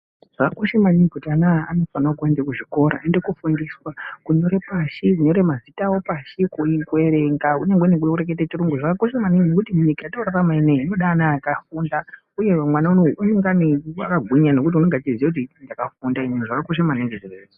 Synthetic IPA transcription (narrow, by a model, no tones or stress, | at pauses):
ʐ̥akako̞ʃemanikutanaa̰no̞fanakendekuʐiko̞ɾa̰e̞nde̞kufundiswakuɲo̞ɾe̞paʃikuɲo̞ɾe̞mazitawo̞paʃikuiŋkweɾeŋɡauneŋɡenekuuɾek̬et̬et͡ʃiruŋɡuʐakakoʃemaninokutimuɲikajatouɾaramaineino̞ɗanakafunda | uje̞amwanaunouneŋɡania̰kaɡʱiɲane̞kut̬iuneŋɡatizijekut̬indakafundaimwenuʐakako̞ʃ̬emaneneʐire